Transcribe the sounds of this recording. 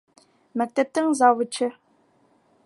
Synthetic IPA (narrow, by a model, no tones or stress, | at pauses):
mɐk̚t̪ʰɐb̚tʰɐŋzaːwɨt͡ʃʰɪ